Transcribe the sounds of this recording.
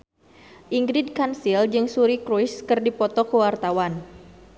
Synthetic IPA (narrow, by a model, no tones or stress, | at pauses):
ʔiŋɡɾid̚kansild͡ʒɨŋsuɾikɾujskɨrdipɔt̪ɔkəwart̪awan